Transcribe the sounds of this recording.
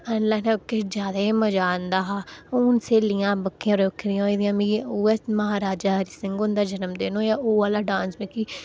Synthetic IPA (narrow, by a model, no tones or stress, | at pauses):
ənlaːnɛ̃kːed͡ʒjaːd̪aːeːməd͡ʒaːnd̪aːɦaːuːnseːlɪjãːbəkːijãːɾoːkʰɾɪjãːeːd̪ɪjãːmĩːuːɛməɦaːɾaːd͡ʒaːɦəɾiːsɪŋɡʊnd̪aːd͡ʒənəmd̪eːnõːjaːʔoːəlaːɖãːnsmẽːkiː